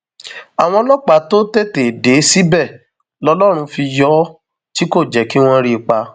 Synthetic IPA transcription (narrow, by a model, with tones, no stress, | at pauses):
a˨w̃ɔ̃˧˦lɔ˦k͡pa˨˦to˦te˦˨te˨de˨˦si˦bɛ˦˨ | lɔ˧lɔ˦ɾ̃ũ˧fi˧jɔ˦ | ti˦ko˦˨d͡ʒɛ˨ki˦w̃ɔ̃˦ɾi˧k͡pa˧